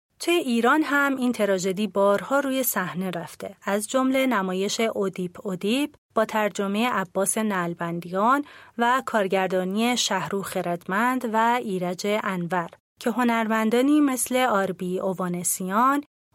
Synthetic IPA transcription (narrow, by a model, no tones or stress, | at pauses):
t̪ʰujeʔiːɾɒːnɦæmʔiːnt̪ʰe̞ɾɒːd͡ʒe̞d̪iːbɒːɾhɒːɾuːje̞sæhne̞ɾæft̪ʰe̞æzd͡ʒo̞mle̞næmɒːje̞ʃe̞ʔod̪iːpʰod̪ib | b̥ɒːt̪ʰæɾd͡ʒo̞me̞je̞ʔæbːɒːse̞nælbænd̪ijɒːnvækʰɒːɾɟæɾd̪ɒːnie̞ʃæhɾuːxeɾæd̪mænd̪væiːɾæd͡ʒe̞ʔænvæɾ | cʰe̞ɦo̞næɾmænd̪ɒːniːme̞sle̞ɒːɾbiovɒːnesiɒn